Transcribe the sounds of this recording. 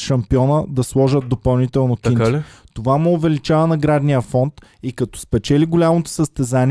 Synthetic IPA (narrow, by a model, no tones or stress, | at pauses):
ʃɐmpiɔnəd̪ɐslˠɔʒət̪̚d̪opɐlˠnit̪ɛlˠnokiit̪ovamɛovɛlit͡ʃavənɐɡɾad̪nijəfɔnt̪ | ikɐt̪ɔ̥spɛt͡ʃɛliɡolʲamot̪o̥səst̪ɛzani